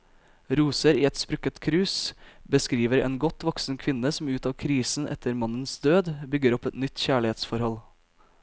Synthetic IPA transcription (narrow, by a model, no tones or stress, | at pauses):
ɾuːsəɾiːɛt̪spɾʉkət̪kʰɾʉːsbəskɾiːʋəɾḛːnɡɔt̪ʋɔksn̩kʰʋɪnəsm̩ʉːt̪ɑːʋkʰɾiːsn̩ʔɛ̰t̪ʰəɾmɑnənsd̪øːd̪bʏɡəɾɔpɛt̪nʏt̪çæːɭɪheːt̪sfɔɾhɔl